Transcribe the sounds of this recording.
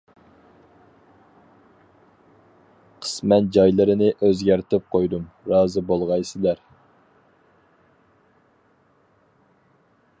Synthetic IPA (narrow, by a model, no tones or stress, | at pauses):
qʰə̥smɛnd͡ʒɑjlˠɨɾɪnɪʔøzɡʲæɾt̪ʰɪp̚qʰojd̪umɾɑːzɨbolˠʁɑjsɪlæɾ